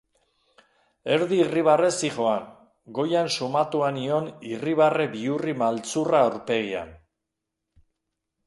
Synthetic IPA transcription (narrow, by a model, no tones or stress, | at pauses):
e̞ɾðiːriβ̞are̞siχo̞an | ɡo̞jansumat̪uanio̞niriβ̞are̞biurimalt͡suraoɾpe̞ɣ̞ia̰n